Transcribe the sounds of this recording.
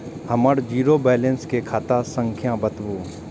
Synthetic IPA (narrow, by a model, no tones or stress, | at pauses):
hɐməɽd͡ʒiːɾobɛːlẽnskekʰaːt̪asə̃ŋkʰjãbət̪buː